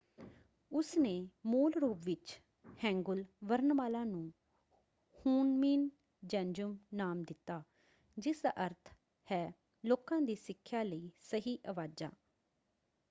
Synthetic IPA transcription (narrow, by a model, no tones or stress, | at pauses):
ʊsneːmoːlɾuːpʋɪt͡ʃ | hɛ̃ːŋɡʊlʋəɾnmaːlãːnũː | huːnmiːn | d͡ʒɛ̃ːnd͡ʒʊmnaːmd̪ɪt̪ːaː | d͡ʒɪsd̪a̰ːʔəɾt̪ʰ | hɛː | loːkãːd̪iːsɪkʰːjaːləiːsəɦiːʔəʋaːd͡ʒa̰ː